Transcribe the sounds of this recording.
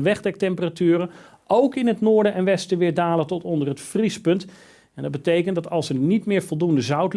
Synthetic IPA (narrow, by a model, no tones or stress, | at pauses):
ʋɛχdɛk̚tɛmpəratyːrə | owkɪnɦətnʊːɹdəʔɛnʋɛstəʋɪːɹdaːləntɔtɔndərɦətfrispɵnt | ɛndɑd̚bətejkəntdɑtɑlˠsəɹnitmɪːɹvɔlˠdundəzœwtl